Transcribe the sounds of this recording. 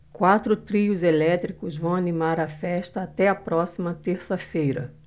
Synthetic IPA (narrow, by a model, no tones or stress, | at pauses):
kwat̪ɾʊt̪ɾiʊzelɛt̪ɾikʊzvɐ̃w̃ɐnimaɾɐfɛʃt̪ɐːt̪ɛɐpɾɔsimɐt̪eɾsɐfejɾɐ